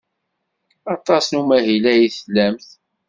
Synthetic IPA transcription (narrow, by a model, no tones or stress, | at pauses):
ɑt̪ˤɑsnumæɦilæjiθlːæmθ